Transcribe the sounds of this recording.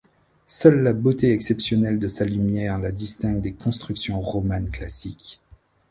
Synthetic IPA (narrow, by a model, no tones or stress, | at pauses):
sœlːabot̪eɛksɛpsjɔnɛld̪əsalymjɛʁlad̪ist̪ɛ̃ɡ̚d̪ekɔ̃st̪χyksjɔ̃ʁɔmanklasik